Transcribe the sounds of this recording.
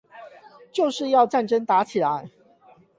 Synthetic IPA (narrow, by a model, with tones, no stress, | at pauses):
t͡ɕjo˥˨ʊʂɻ̩˥˧jɑ˥˧ʊʈ͡ʂa˥˨nʈ͡ʂə˦nt̪a˨˧˥t͡ɕʰi˨la˦ɪ